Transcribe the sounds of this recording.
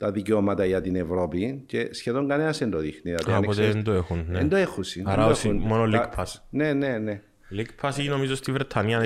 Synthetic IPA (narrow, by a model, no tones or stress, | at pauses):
t̪ɐðiceomɐt̪ɐʝɐt̪inevɾo̞pice̞sçe̞ðoŋɡɐne̞nɐsend̪oðixniðɐt̪iɐnpot̪eend̪oexunneend̪oexunsiɐɐosunmonolikpʰɐsnenene | likpʰɐsiino̞mizost̪ivɾet̪ʰːɐniɐ